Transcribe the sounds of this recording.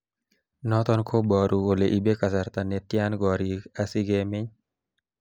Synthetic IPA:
nɔt̪ɔnkʰobɔɾuoleʔibekasaɾt̪anet̪janɡɔɾiasɪɡemɪɲ

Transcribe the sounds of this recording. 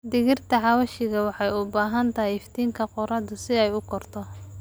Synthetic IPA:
d̪ɪɣɪrt̪ʰɐʕɑwɐʃɪɣɐwɑħɑjʊbaːɦɐnt̪ʰɐɦɪjɪft̪ʰiːŋkʰɐqʊɾɐd̪ʊsɪɛjʊkʰɔrt̪ʰɔ

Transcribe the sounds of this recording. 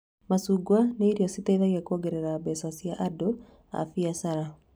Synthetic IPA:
masuːɡwaneːɾiɔsitɛiðaɣiɛkuoɡɛɾɛɾabɛswasjaʔado | a̰fiasaɾa

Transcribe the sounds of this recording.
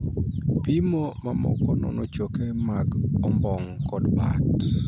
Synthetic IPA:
pimomamɔ̰kɔnɔ̰nɔt͡ʃokemaɡɔmbɔŋkɔdba̰t

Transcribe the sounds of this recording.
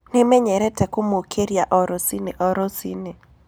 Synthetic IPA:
nɪmɛɲɛɾɛtɛkomokʰeɾjaʔɔɾɔsineʔɔɾɔsine

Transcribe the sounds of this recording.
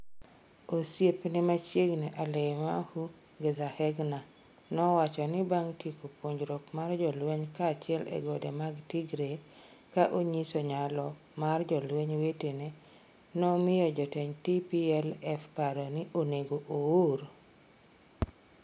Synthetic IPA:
osjepnɪmat͡ʃjeɡneʔalɛmahuɡezahɛɡnanɔwat͡ʃɔnɪbaŋtikopwoɲd͡ʒɾɔkmard͡ʒɔlweɲkaːt͡ʃɪɛlɛ̰ɡɔdemaɡtiɡɾekaʔoɲisɔɲalɔmard͡ʒɔlweɲwetenenɔmɪjɔd͡ʒɔteɲtipiɛlɛfpaɾoniʔoneɡoʔowoɾ

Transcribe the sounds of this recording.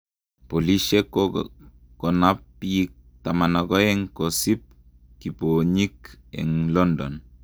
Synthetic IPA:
poliʃek | kɔnapːik̚ | tamanakɔɛŋkosip̚ | kipoɲikɛ̰ŋlɔndɔ̰n

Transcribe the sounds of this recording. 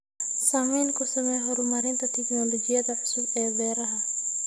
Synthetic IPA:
saːmɛjnkʰʊsɐmɛjɦɔɾʊmɐɾɪnt̪ʰɐt̪ʰɛknɔlɔd͡ʒɪjɐðɐʕʊsʊbɛːbɛːɾɐɦɐ

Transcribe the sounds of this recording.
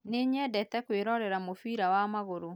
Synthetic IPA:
neɲɛdɛtɛkweɾɔɾɛɾamofiɾawamaɣoɾo

